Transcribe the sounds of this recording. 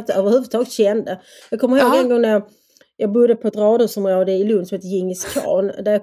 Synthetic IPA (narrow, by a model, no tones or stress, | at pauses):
t̪œːvəɾhʉvɵd̪t̪ʰɑːɡət̪ɕɛnd̪a | jɑkʰɔməɾhoːɡɡaŋɡɔŋnæ | jɑːɡbʊd̪ːəpʰɔɛt̪ɾɑːd̪ʊsɔmɾoːd̪əɪlɵnd̪sɔmheːt̪əjɪŋːəskʰɑ̰ːnd̪æjɑ